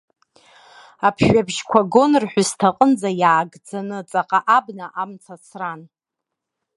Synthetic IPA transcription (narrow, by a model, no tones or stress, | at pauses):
apʰʃabʒkʷʰaɡo̞nrħʷᶣʊstʰaqʼənd͡zajaːɡd͡zanɨt͡sʼaqʼaʔabnaʔamt͡sʰasʰran